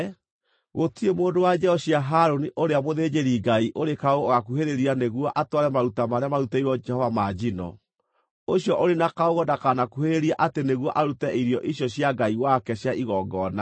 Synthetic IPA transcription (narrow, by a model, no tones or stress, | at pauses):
ɣotiemoːdowad͡ʒɛɔɕjaɦaɾoniʔoɾeamoðeːd͡ʒeɾiɡaiʔoɾekaoɣoɣakuɦeɾeɾianeɣwɔʔatwaɾɛmaɾutamaɾeamaɾutɛiɾɔɛhɔvamad͡ʒinɔ̰ | oɕjɔʔoɾenakaoɣɔdakanakuheɾeɾiaʔateneɣwɔʔaɾutɛʔiɾijɔʔiɕjɔɕjaɡaiwakɛɕjaʔiɣɔːɡɔna